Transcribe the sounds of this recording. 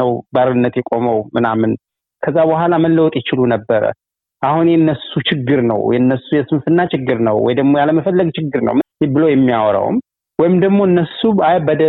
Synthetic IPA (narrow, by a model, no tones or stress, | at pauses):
əwbaɾɨnːət̪jɛkʼo̞məwmɨnamɨn | kʰəzːabəɦʷalaməlːəwt̪ʼjɛt͡ʃɪlunəbːəɾə̰ | ʔahunjɛnːəsut͡ʃʰɪɡːɨɾnə̰wjɛnːəsːujɛsɨmfɨnːat͡ʃɪɡːɨɾnə̰wwɔ̰jd̪əɡmo̞jaləməfəlːəɡt͡ʃʰɪɡːɨɾnə̰wmbɨlojɛmːijawɾə̰w̰m | wɔjɪmd̪əɡmo̞ɨnːəsuabəd̪ə